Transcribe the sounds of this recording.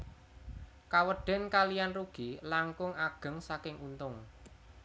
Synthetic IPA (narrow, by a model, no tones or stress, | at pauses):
kawəɖ̥ɛ̤nkalijanruɡ̥ilaŋkʊŋaɡ̥ə̤ŋsakɪŋunt̪ʊŋ